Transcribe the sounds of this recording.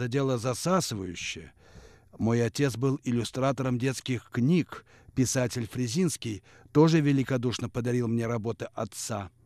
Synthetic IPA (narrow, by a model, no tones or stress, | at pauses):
ɐdʲe̞lˠəzɐsasɨvəjʉɕːɪjə | mo̞jɐtʲe̞t̪sbɨlˠɪlʲʊst̪ɾat̪əɾəmdʲe̞t̪skʲɪxknʲik | pʲɪsatʲɪlʲfɾʲɪzʲinskʲɪj | t̪o̞ʐɨvʲɪlʲɪkɐd̪uʂnəpəd̪ɐɾʲilˠmnʲeɾɐbo̞t̪ɨʔɐt̪sa